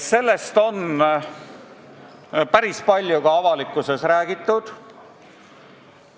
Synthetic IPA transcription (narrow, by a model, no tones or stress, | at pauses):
se̞lːe̞st̪o̞n | pæɾispɑlʲjukɑɑvɑlikːˑuse̞sɾæːɡ̥it̪ˑːud̪̥